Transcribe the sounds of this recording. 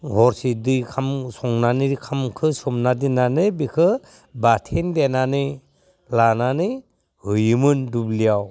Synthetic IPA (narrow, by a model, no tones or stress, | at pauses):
ɡʱɔɾsidɯjkʰamsɔŋnaniɾikʰamkʰɯsɔmnadinanɯbikʰɯ | batʰendenanɯ | lananɯ | hɯjɯmɯndublijaw